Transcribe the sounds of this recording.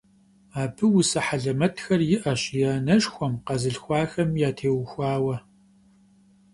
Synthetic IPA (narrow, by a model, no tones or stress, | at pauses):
aːbʰɨwʊsɐħaɮɐmɐtʰxɐrjɪʔɐɕjaːnɐʃxʷɔmqɐzɨɬxʷɑːxɐmjaːtʰeːwxʷɑːwɐ